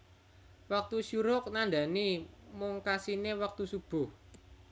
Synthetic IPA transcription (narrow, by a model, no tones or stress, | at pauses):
wak̚t̪usuɾʊk̚naɳɖ̪a̤nimʊŋkasinewak̚t̪usub̥ʊh